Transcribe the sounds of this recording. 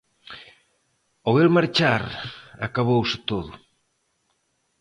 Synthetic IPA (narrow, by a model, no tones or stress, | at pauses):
oɣelmaɾt͡ʃaɾa̰kaβowsɪt̪oðʊ